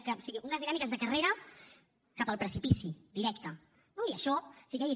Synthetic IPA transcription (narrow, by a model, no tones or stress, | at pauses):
kəosiɣiunəzðinamikəzðəkəreɾə | kapəlˠpɾəsipisid̪iɾɛkt̪ə | noiəʃɔsikai